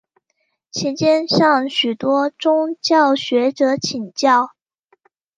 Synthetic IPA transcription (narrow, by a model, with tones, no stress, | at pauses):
t͡ɕʰi˧˥t͡ɕjɛ˥nɕɑ˥˩ŋɕy˨˩t̪wɔ˥ʈ͡ʂʊ˥ŋt͡ɕjɑ˥˩ʊɕɥɛ˧˥ʈ͡ʂɤ˧˥t͡ɕʰi˨˩ŋt͡ɕjɑ˥˩ʊ